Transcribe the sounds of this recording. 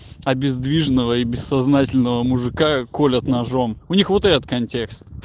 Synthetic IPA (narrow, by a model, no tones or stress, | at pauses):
ɐbʲɪzd̪vʲiʐnəvəibʲɪsːɐznatʲɪlʲnəvəmʊʐɨkakolʲət̪nɐʐomʊnʲixvot̪ɛɾət̪kɐnʲtʲe̞kst̪